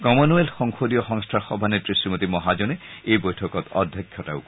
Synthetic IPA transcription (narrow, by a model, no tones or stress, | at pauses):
kɔmonuelxɔŋxod̪iɔxɔŋstʰaɹxɔbʱanetɹisimot̪imɔɦad͡ʒɔneejbojtʰɔkɔt̪ɔ̰d̪ʱjɔkʰːjɔta̰ʊ